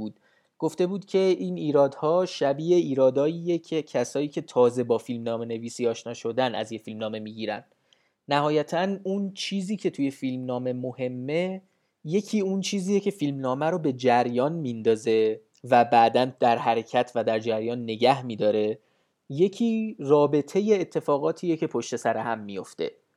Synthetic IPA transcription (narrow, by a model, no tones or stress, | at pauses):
uːd̪̥ | ɡ̥o̞ft̪e̞buːd̪̥cʲʰe̞ʔiniːɾɒːd̪hɒːʃæbiːʔeiːɾɒːd̪ɒːjiːjecʰecʰæsɒːiːcʰe̞t̪ʰɒːze̞bɒːfilmnɒːme̞ne̞viːsiːɒːʃnɒːʃo̞d̪ænæ̰zjefilmnɒːme̞miːɡiːɾæ̰n | næhɒːjæt̪ʰænunt͡ʃʰiːziːcʰe̞t̪ʰuje̞filmnɒːme̞mohe̞mːe̞ | je̞cʰiːunt͡ʃʰiːziːjecʰe̞filmnɒːmæɾobe̞d͡ʒæɾjɒːnmind̪ɒːze̞ | væbæd̪ænd̪̥æɾhæɾe̞cʰæt̪ʰvæd̪æɾd͡ʒæɾjɒːnːe̞ɟæhmiːd̪ɒːɾe̞ | je̞cʰiːrɒːbe̞t̪ʰe̞jeːt̪ʰːe̞fɒːɣɒːt̪ʰiːjecʰe̞pʰoʃt̪e̞sæɾehæmːijo̞ft̪e̞̰